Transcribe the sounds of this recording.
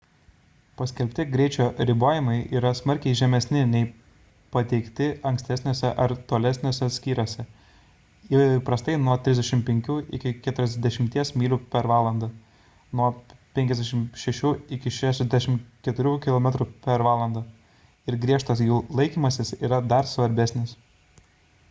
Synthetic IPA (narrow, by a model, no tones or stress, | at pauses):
pɐsʲkʲɛlʲpʲt̪ʲɪɡɾʲɛɪt͡ʃʲoːɾʲɪboːjɪmɐɪʔiːɾɐsmɐɾʲkʲɛɪʒʲɛmʲɛsʲnʲɪnʲɛɪ | pɐt̪ʲɛɪkt̪ʲɪɐŋksʲt̪ʲɛsʲnʲoːsʲɛʔɐɾt̪oːlʲɛsʲnʲoːsʲɛt̪sʲkʲiːɾoːsʲɛ | pɾɐst̪ɐɪnuɔt̪ʲɾʲɪzd̪ʲɛʃʲɪmpʲɛŋʲkʲuːʔɪ̰kʲɪkʲæt̪ʊɾʲɛzʲd̪ʲɛʃʲɪmʲt̪ʲiɛsmʲiːlʲuːpʲɛɾʋɑːlˠɐnd̪ɐ | nuɔpʲɛŋʲkʲɛzd̪ʲɛʃʲɪmʃʲɛʃʲuːɪkʲɪʃʲæːʃʲɛzd̪ʲæʃʲɪmkʲɛt̪ʊɾʲuːkʲɪlˠoːmʲɛt̪ɾupʲɛɾʋɑːlˠɐnd̪ɐ | ɪɾɡɾʲiɛʃt̪ɐsjuːlˠɐɪkʲiːmɐsʲɪsiːɾɐd̪ɐɾsʋɐɾʲbʲæsʲnʲɪs